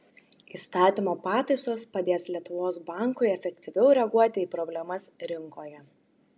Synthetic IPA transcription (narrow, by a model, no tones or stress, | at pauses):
iːst̪ɑːt̪ʲimoːpɑːt̪ɐɪsoːspɐd̪ʲeːslʲiɛt̪ʊʋoːsbɑˑŋkʊɪɛfʲɛkʲt̪ʲɪʋʲɛʊɾʲɛɐɡuɔt̪ʲɪiːpɾɔbʲlʲɛmɐsɾʲɪŋkoːjɛ